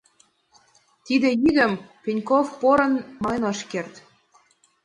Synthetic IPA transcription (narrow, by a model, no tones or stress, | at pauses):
t̪id̪ĕjiɣə̆mpʲenʲkofpoɾə̆nmɑjnoʃkert̪